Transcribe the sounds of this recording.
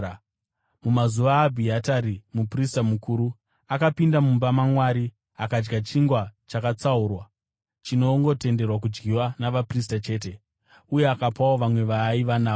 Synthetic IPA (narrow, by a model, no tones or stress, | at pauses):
mumazuʋaːbʱiataɾimupristamukuːɾu | akapindamumbamamwaɾi | akad͡ʒɡat͡ʃiŋɡwat͡ʃakat͡sauːrwa | t͡ʃino̞ŋɡo̞te̞nde̞rwak̬ud͡ʒɡiwanaʋapris̬tat͡ʃe̞ːt̬e̞ | uje̞akapawo̞ʋamwe̞ʋaiʋanaːo